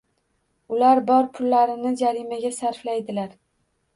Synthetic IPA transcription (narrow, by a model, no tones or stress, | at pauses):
ʊlaɾbɒɾpʰʊlːaɾɪnɪd͡ʒaɾimaɡʲasaɾflajd̪ɪlaɾ